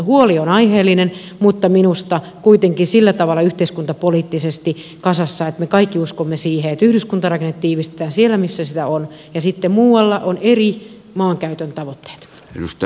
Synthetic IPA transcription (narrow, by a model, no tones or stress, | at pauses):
huolionɑiheːlːˑinen | mut̪ːɑminust̪ɑ | kuit̪eŋkisilːæt̪ɑʋɑlːˑɑyht̪eiskunt̪ɑpoliːt̪ːisest̪i | kɑsɑsːɑet̪mekɑikːiuskomːesiːheet̪yhɾyskunt̪ɑrɑkenːet̪t̪iːʋist̪e̥t̪æːnsielːˑæmisːæsit̪æon | jɑsit̪ːemmuːwɑlːɑʔoneri | mɑːŋkæyt̪ønt̪ɑʋot̪ːe̥ːt̪ | nust̪